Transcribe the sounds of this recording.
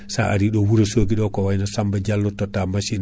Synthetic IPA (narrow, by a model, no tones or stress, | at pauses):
sa̰ʔaɾiɗɔwuɾesoɡiɗɔkɔwajnɔsambad͡ʒalːɔtɔtːamaʃin